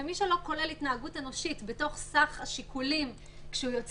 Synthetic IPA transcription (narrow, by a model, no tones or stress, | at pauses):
emiʃelo̞ko̞le̞litnaaɡute̞no̞ʃitbe̞to̞χsaχaʃikʰulim | kʃeujo̞t͡s